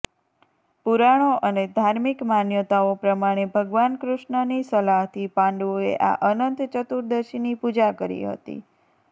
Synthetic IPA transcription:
puɾaɽ̃oʔəned̪ʱaɾmikmanjət̪aopɾəmaɽ̃ebʱəɡʋankɾʊʃɳənisəlaɦt̪ʰipãɳɖoḛʔa̰ʔənənt̪t͡ʃət̪uɾd̪əʃinipud͡ʒakəɾḭɦə̰t̪ḭ

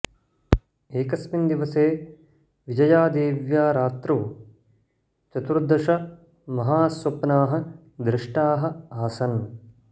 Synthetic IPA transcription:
eːkɐsmind̪iʋɐseː | ʋid͡ʒɐjaːd̪eːʋjaːɾaːt̪ɾuʋ | t͡ʃɐt̪uɾd̪ʱːɐʂɐ | mɐɦaːsʋɐpnaːɦɐ̆ | d̪ɾɪʂʈaːɦɐ̆aːsɐn

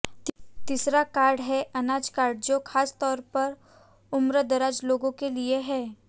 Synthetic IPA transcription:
t̪isɾakaːɾɖɦɛʔɐnaːd͡ʒkaːɾɖd͡ʒoːxʰaːst̪ɔːɾpɐɾ | ʊmɾəd̪ɐɾaːd͡ʒloːɡõkelieɦɛː

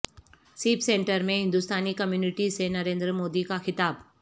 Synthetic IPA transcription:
siːpsẽːɳʈəɾmẽɦɪ̃nd̪ust̪aːnikɐmjuːnɪʈisenɐɾẽːnd̪ɾəmoːd̪ikaxɪt̪aːb

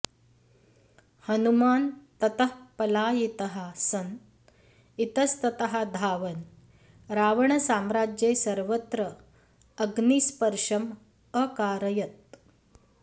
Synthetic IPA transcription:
hənumaːnt̪ɐt̪əɦpɐlaːjit̪əɦasɐn | it̪ɐst̪ɐt̪ɐɦad̪ʱaːʋɐn | ɾaːʋɐɳɐsaːmɾad͡ʒjeːsəɾʋət̪ɾəː | ɡniːspəɾʂɐm | əkaːɾɐjɐt̪̚

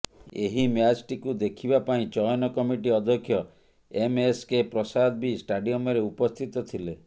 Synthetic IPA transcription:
eɦimjad͡ʒʈikud̪ekʰibapaĩt͡ʃɔjɔnɔkɔmiʈiɔd̪ʱɔkʰːjɔ | emeskepɾɔsad̪̚bisʈaɖiɔmɔɾeupɔst̪ʰit̪ɔt̪ʰile

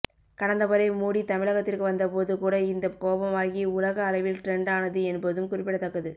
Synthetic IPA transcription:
kɐɽɐnd̪ɐʋɐɾɐɪmuːɽit̪ɐmɪɭɐɣɐt̪ːɪrkɯʋɐnd̪ɐpoːðɯkuːɽɐɪnd̪ɐkoːbɐmaːɣiʊlɐɣɐːlɐɪʋɪlʈɾɛɳɖaːnɐðɯɛnbɐðɯmkʊrɪpːɪɽɐt̪ːɐkːɐðɯ

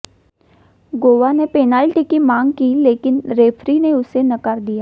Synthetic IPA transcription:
ɡoːʋanepeːnaːlʈikimãːŋɡkileːkɪnɾeːfʰɾineʊsenɐkəɾd̪ijaː

